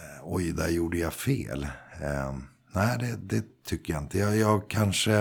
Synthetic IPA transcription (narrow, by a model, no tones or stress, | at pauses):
ɔjd̪æ̰ɾjuːɖəjafḛːl | næɪd̪ɛd̪ɛt̪ʰʏkːəjaɪnt̪əjɑjɑːɡkʰanʂə